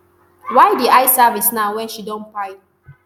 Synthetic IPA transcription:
wajdiajsavisnaʊwɛ̃nʃidɔ̃npaɪ

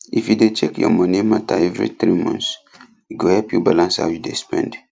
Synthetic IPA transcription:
ifjudet͡ʃekjɔ̰mɔnimataɛvɹḭt̪ɹimɔ̰̃ns | iɡohɛlpjubalãnsha̰wjudespɛ̰̃nd

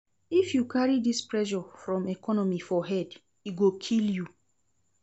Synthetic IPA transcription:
ifjukaɹidispɹɛʃɔfɹɔ̃mɛkɔnɔmifɔɦɛd | iɡokʰilju

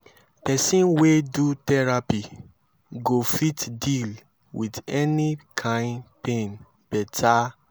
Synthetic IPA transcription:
pɛsĩnwedutɛɹapi | ɡofitdil | widɛnikʰãɪ̃npẽn | pɛtʰa

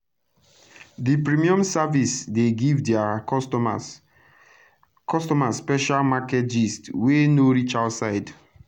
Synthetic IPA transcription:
dipɹimiɔ̃msavisdeɡivdɛa | kʰɔstɔmasːpɛʃalmakɛtd͡ʒistwenoɹit͡ʃaʊtsaɪd

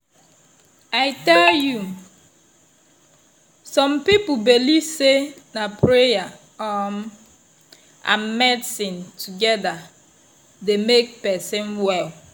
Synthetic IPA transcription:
aɪtɛlju | sɔ̃mpip̩belisenapɾeja | ɔm | ã̰mmɛdsɪ̃ntʰuɡɛda | demek̚pɛsɪ̃nwɛl

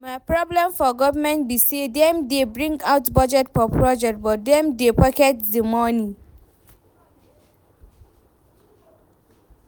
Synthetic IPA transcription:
maɪpɹɔblɛ̃mfɔɡɔvəmɛ̃ntbisedɛ̃mdebɹĩŋɡaʊtbɔd͡ʒɛtfɔpʰɹɔd͡ʒɛk̚t̚bɔt̚dɛ̃mdepɔkɛtdəmɔnĩ

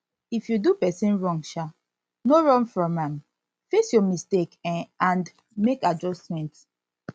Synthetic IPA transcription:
ifjudupɛsĩnɹɔ̃ŋʃa | noɹɔ̃nfɹɔ̃mãm | fesjɔmistekãnd | mekad͡ʒɔstmɛ̃nt

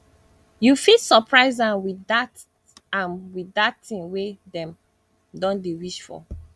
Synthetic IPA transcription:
jufisɔpʰɹaɪzãnwiat | ãnwiatĩŋwedɛ̃m | dɔ̃ndewiʃfɔ̰

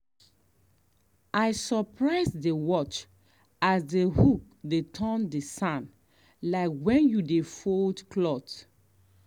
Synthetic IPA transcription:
aɪsɔpʰɹaɪsdewɔt͡ʃ | asdehuk | detʰɔ̃ndesãn | laɪkwɛ̃njudefoldklɔt

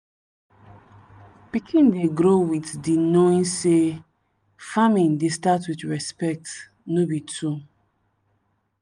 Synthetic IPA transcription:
pikʰĩndeɡɾowitdinoĩnse | famĩndestatwitɹɛspɛk̚t | nobitʰu

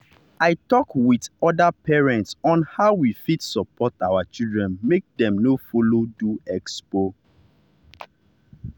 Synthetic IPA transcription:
aɪtɔkwidɔdapɛɹɛ̃ntsɔ̃nhaʊwifitsɔpɔtawat͡ʃildɹɛ̃nmek̚dɛ̃mnofoloduɛkspo

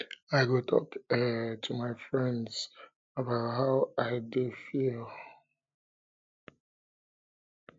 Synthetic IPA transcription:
aɪɡotʰɔ̰ktʰumaɪfɹɛ̃ndz̥ | əbaʊtɦaʊaɪdufil

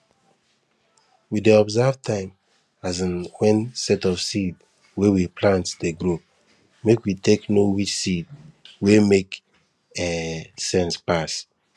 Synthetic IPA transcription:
wideɔbzavtʰãɪ̃m | azãnwɛ̃nsɛtɔfsid | wewipʰlãntdeɡɹup̚ | mekwiteknowit͡ʃsid̚wemek | ɛsɛ̃nspas

